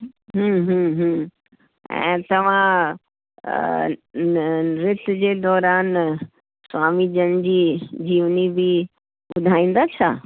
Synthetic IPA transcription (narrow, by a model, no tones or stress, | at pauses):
ɦũːɦũːɦũː | ɛ̰̃ːt̪ɐʋ̤ã | ɾɪt̪d͡ʑeːd̪ɔːɾaːn | swaːmid͡ʑɐnd͡ʑiːd͡ʑiːʋnibɪ | ɓɓʊd̪ʱaːĩːn̆d̪aːt͡ɕʰa̰ː